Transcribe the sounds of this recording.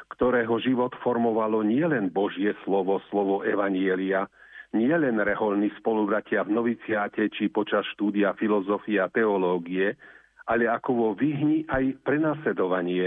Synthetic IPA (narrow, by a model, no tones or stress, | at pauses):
kt̪ɔɾɛːɦɔʒiʋɔt̪fɔɾmɔʋalɔɲɪɛlɛnbɔʒɪjɛslɔʋɔslɔʋɔʔɛʋaɲɪɛliaɲɪɛlɛnɾɛɦɔlnispɔlubɾacɪavnɔʋit͡sɪaːcɛt͡ʃipɔt͡ʃasʃt̪uːd̪iafilɔzɔfiɛat̪ɛɔlɔːɡiɛ | ʔaʎɛakɔʋɔʋiɦɲiʔajpɾɛnaːslɛd̪ɔʋaɲɪɛ